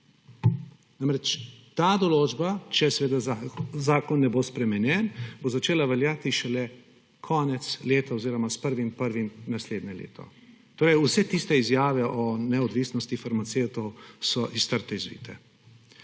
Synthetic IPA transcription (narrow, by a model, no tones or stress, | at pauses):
naːmɾɛt͡ʃt̪aːd̪ɔloːd͡ʒbat͡ʃɛsɛʋeːd̪azaːkɔnːɛboːspɾɛmɛnjɛnbozat͡ʃeːlaʋɛljat̪iʃɛlɛ | kʰɔːnɛt̪sleːt̪aoziːɾɔmaspəɾʋimpəɾʋimnasleːd̪nɲɛlḛːt̪ʰɔ̰ | t̪oːɾɛjusɛt̪ist̪ɛizjaːʋɛʔɔnɛɔd̪ʋiːsnɔst̪ifaɾmat̪seːwt̪ɔwsɔʔist̪əɾt̪ɛizʋḭːt̪ɛ